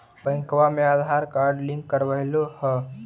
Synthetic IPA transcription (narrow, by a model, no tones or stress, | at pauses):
bə̃ɪ̃ŋkwamẽaːd̪ʱaɾkaːɾɖlĩŋkkəɾʋəɦlohɛ